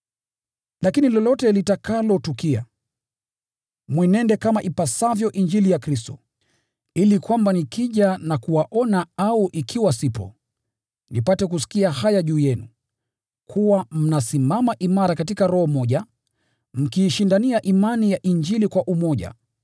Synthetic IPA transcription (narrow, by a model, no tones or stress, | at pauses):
lakinilɔlɔtɛlitakalɔtukia̰ | mwinɛndɛkamaʔipasavjɔʔiɲd͡ʒilijakɾistɔ | ilikwambanikʰiʄanakuwaʔɔnaauʔikʰiwasipɔ̰ | nipatɛk̬usi̥kiahajaʄuːjɛnu | kʰuwam̩nasimamaʔimaɾakatikaɾɔhɔmɔʄa | m̩kiːʃindaniaʔimanijaʔiɲd͡ʒilikwaʔumɔʄa̰